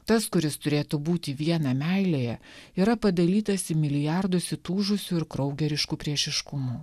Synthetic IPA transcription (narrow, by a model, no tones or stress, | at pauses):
t̪ɐskʊɾʲɪst̪ʊɾʲeːt̪ubuːt̪ʲɪʋʲiɛnɐmʲæɪlʲejɛiːɾɐpɐd̪ɐlʲiːt̪ɐsɪmʲɪlʲɪjɑɾd̪ʊsʲɪt̪uːʒʊsʲuɪɾkɾɔʊɡʲɛɾʲɪʃkuːpʲɾʲiɛʃʲɪʃkʊmuː